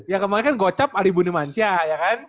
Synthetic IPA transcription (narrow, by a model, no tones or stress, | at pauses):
jakəmaŋɲkanɡɔt͡ʃap̚aɾibunimansiajakan